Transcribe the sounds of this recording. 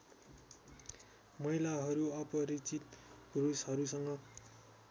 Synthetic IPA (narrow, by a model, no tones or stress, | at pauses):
mʌilaɦʌɾuʌpʌɾit͡sit̪ɡrosɦʌɾusʌŋɡʌ